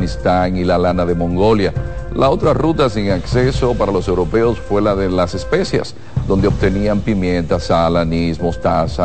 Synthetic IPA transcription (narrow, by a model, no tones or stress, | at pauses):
nist̪aŋilalanaðe̞mõ̞ŋɡo̞ljalao̞t̪ɾarut̪asiŋakse̞so̞paɾalo̞se̞wɾo̞pe̞o̞sfwe̞laðelase̞spe̞sjḛs | d̪o̞nd̪eot̪e̞niampimjẽ̞nt̪asalanismost̪asa